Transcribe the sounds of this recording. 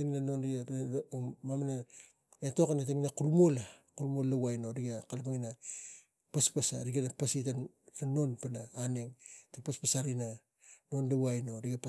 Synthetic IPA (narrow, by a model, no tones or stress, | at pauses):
taŋinanonɾi | mamana | etokanataŋinakuɾumolakuɾumolːawajno̞ɾiɡakalapaŋina | paspasa̰ɾiɡanapasita | tano̞npanaaneŋtapaspasaɾina | no̞ndawajno̞ɾiɡapa